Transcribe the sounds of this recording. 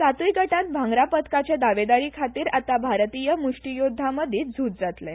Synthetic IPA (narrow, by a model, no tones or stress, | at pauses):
sat̪ʋikəʈãt̪̚bʱãŋɡɾapət̪kat͡ɕed̪aʋed̪aɾiːkʰat̪iːɾat̪abʱaɾt̪ijəmuʂʈijod̪ʱaməd̪ʱiːt̪d͡zʱuːt̪̚d͡zat̪le